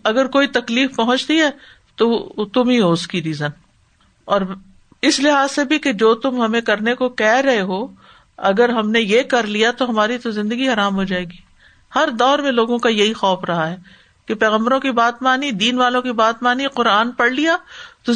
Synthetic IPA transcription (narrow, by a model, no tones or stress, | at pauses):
ɐɡəɾkoːit̪ɐkliːfpɐɦʊ̃t͡ʃt̪iɦɛː | t̪ot̪ʊmɦiɦoʊskiɾiːzən | ɔːɾ | ɪslɪɦaːzsebʱiked͡ʒoːt̪ʊmɦɐmẽkɐɾnekokɛɦɾɐɦeɦoː | ɐɡəɾɦɐmnejekɐɾlijat̪oɦɐmaːɾit̪ozɪ̃nd̪əɡiɦɐɾaːmɦoːd͡ʒaːeːɡiː | hɐɾd̪ɔːɾmẽloːɡõkajɐɦixɔːfɾɐɦaɦɛː | kepɛːɣə̃mbəɾõkibaːt̪maːnid̪iːnʋaːlõkibaːt̪maːniqʊɾaːnpɐɽlijat̪o